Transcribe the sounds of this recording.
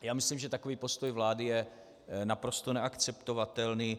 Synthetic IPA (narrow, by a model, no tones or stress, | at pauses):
jaːmɪslimʒɛt̪akoviːpo̞st̪o̞jvlaːdɪjɛ | napɾost̪onɛakt͡sɛpt̪o̞vat̪ɛlniː